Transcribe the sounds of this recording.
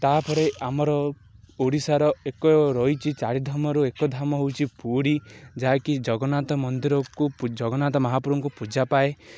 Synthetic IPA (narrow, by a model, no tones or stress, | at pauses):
t̪apʰɔɾeamɔɾɔ | oɽisaɾɔekɔɾɔjt͡ʃʰit͡ʃaɽid̪ʱamɔɾuekɔd̪ʱamɔɦowt͡ʃʰipuɽid͡ʒaːkid͡ʒɔɡɔnat̪ɔmɔnd̪iɾɔkud͡ʒɔɡɔnat̪ɔmɔɦapuɾɔŋkupud͡ʒapae